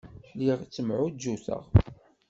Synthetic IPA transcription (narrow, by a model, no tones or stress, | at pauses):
ħliʁt͡sːəmʕud͡ʒːuθə̰ʁ